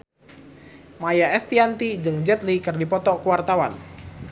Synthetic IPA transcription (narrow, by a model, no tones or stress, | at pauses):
majaɛst̪iant̪id͡ʒɨŋd͡ʒɛt̪̚likɨrdipɔt̪ɔkuwart̪awan